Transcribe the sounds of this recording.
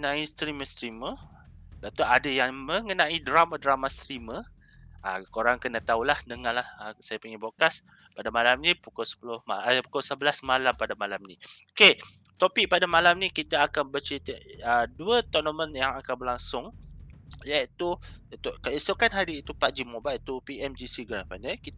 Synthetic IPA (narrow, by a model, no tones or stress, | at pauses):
nãist̪ɾiməst̪ɾimə | dat̪uʔadəjaŋməŋənãidɾamadɾamast̪ɾimə | ʔakoɾaŋkənat̪aulahdəŋalahasajapəŋibokas | padamalamnĩpukʊlsə̥pulʊhmapukʊlsəbəlasmalampadamalamnĩoke | t̪opik̚padamalamnĩkit̪aːkanbət͡ʃit̪əʔəduət̪ɔʔnəmənjaŋakanbəlaŋsʊŋ | jait̪ut̪uʔkəisukanɦaɾiit̪upaʔd͡ʒimobalit̪upiɛmd͡ʒisiɡɾapanakit̪